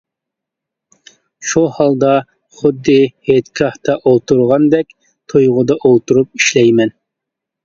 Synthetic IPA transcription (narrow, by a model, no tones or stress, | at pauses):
ʃuhɑlˠd̪ɑ | χʊd̪ːɪhet̪kʲʰɑht̪ʰɑʔolˠt̪uɾʁɑnd̪ɛkʲ | t̪ʰojʁʊd̪ɑʔolˠt̪uɾup̚iʃlɛjmɛn